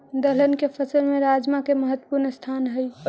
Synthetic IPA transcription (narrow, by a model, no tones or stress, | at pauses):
d̪ələnkepʰəsəlmẽɾaːd͡ʒmakeməɦət̪ːwə̥puɾnəst̪ʰaːnɦəj